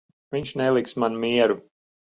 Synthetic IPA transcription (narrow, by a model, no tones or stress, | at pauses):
viɲʃnɛlˠiksmanmiɛɾu